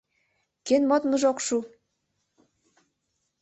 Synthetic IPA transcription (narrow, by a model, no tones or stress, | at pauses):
kenmot̪mə̆ʒokʃu